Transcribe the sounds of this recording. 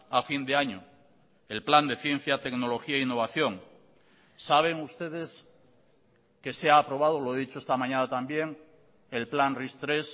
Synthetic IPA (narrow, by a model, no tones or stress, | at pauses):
afind̪eaɲo | e̞lpland̪e̞θje̞n̟θjat̪e̞kno̞lo̞xiaeinːo̞βaθjo̞ŋ | saβ̞e̞ŋust̪e̞ð̞e̞s | ke̞seaːpɾo̞β̞að̞oloeðit͡ʃoest̪amãɲanat̪ambje̞ŋ | e̞lplanrist̪ɾe̞s